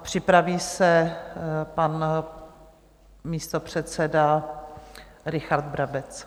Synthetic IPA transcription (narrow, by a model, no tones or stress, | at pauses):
pr̝̥ɪpɾaviːsɛ | pan | miːst̪opr̝̥ɛt̪t͡sɛda | ɾɪxaɾd̪̚bɾabɛt͡s